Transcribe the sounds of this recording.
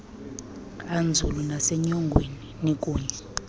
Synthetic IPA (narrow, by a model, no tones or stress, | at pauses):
and͡zʱulunasɛɲɔŋɡʱweninekʼuːɲɛ